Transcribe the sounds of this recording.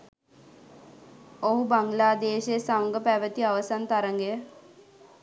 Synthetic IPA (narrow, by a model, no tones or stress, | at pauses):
oɦubaŋɡlaːd̪eːʃejəsamɡəpæʋət̪iaʋəsant̪aɾəŋɡejə